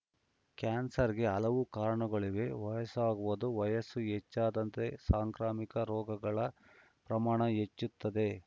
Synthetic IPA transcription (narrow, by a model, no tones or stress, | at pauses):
kaːnsɐɾiɡe̞ɐlɐʋukaːɾɐɳɐɡɐɭiʋe̞ʋɐjɐsaːɡuʋud̪uʋɐjɐsuet͡ʃːaːd̪ɐnt̪e̞saːŋkɾaːmikɐɾɔːɡɐɡɐɭɐ | pɾɐmaːɳɐet͡ʃːut̪ːɐd̪e̞